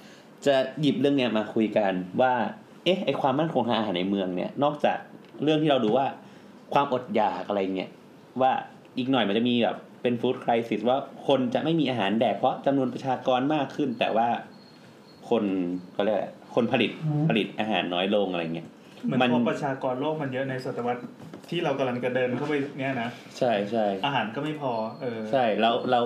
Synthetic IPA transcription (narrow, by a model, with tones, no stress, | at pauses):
t͡ɕa˨˩ji˨˩p̚ɾɯ˥˩əŋni˦˥ɐ˧˩maː˧kʰu˧jka˧nwaː˥˩ | ʔe˦˥hʔa˧jkʰwaː˧mːa˥˩nkʰo˧ŋt̪ʰa˧˥ʔaː˧haː˩˦na˧jmɯ˧əŋni˦˥ɐnɔː˥˩k̚t͡ɕa̰ː˨˩k̚ɾɯ˥˩ŋt̪ʰiː˥˩ɾa˧wduː˧waː˥˩ | kʰwaː˧mʔo˨˩t̪̚jaː˨˩k̚ʔa˧ɾa˧jːa˨˩ŋːi˦˥ɐʔ | waː˥˩ | ʔiː˨˩k̚nɔ˨˩jma˧nt͡ɕa˨˩miː˧bɛ̰ː˨˩pːe˧nfuː˦˥t̪̚kʰɾa˧jsi˨˩swaː˥˩kʰo˧nt͡ɕa˨˩ma˥˩jmiː˧ʔaː˧ɦaː˩˦ndɛː˨˩k̚pʰɔ˦˥t͡ɕa˧mnu˧ənpɾa˧t͡ɕʰaː˧kɔː˧nmaː˥˩kʰːɯ˥˩nt̪ɛ̰ː˨˩waː˥˩ | kʰo˧nkʰɔ˥˩ɾi˥˩a̰˩kʰo˧npʰa˧li˨˩t̪̚pʰa˧li˨˩t̪̚ʔaː˧ɦa̰ː˩˦nːɔː˦˥jlo˧ŋʔa˧ɾa˧ja˨˩ŋi˦˥ɐʔ | mɯ˦ma˧nkʰɔpɾa˧t͡ɕʰaː˧kɔː˧nloː˥˩k̚ma˧njɤ˦˥ʔna˧jso˨˩t̪ɾa˧wa˦˥t̪̚ʰː | iː˥˩ɾa˧wka˧mla˧ŋt͡ɕa˧˩dɤː˧nkʰa˥˩wpa˧˩jni˦˥ɐna˦˥ | t͡ɕʰa˥˩jt͡ɕʰa˥˩jʔaː˧ɦaː˩˦nkɔː˥˩ma˥˩jpʰɔː˧ʔɤː˧t͡ɕʰa˥˩jlɛː˦˥wlɛ˦˥w